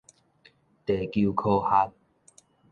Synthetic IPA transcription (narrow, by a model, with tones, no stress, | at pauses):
t̪e˨˩ku˧kʰo˧ha˦t̚